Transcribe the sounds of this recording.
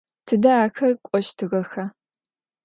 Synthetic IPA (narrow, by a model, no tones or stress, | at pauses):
tʰɨdɐaːxɐrkʷʼɔʃtʰɨɣɐxaː